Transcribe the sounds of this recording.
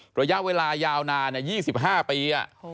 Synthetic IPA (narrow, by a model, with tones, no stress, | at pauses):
ɾa˧ja˦˥ʔweː˧laː˧jaː˧wnaː˧na˦˥˩jiː˥˩si˨˩p̚ɦaː˥˩piː˧ʔa̰˨˩ʔ